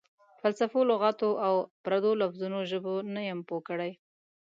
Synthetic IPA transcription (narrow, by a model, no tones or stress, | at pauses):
falsafoloɣɑt̪oʔawpɾad̪olafzunoʒəbonajəmpokəɽaj